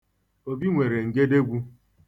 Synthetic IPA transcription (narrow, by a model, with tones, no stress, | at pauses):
o˦bi˦ŋʷe˨ɾe˨ŋ̩˨ɡe˦de˦ɡʷu˦